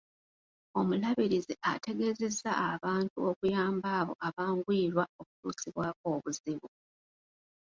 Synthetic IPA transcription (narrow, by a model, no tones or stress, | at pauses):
o̞mulaβiɾizeʔate̞ɡe̞ze̞zːa̰ːβaːntuokujaːmbaːβo̞̰ʔaβaːŋɡwiːɾwaoku̥tuːsiβwaːko̞ːβuziβu